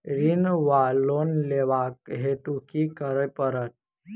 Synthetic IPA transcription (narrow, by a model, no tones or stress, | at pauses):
ɾinʋalonleʋak̚ɦet̪ukikəɾəpəɾət̪̚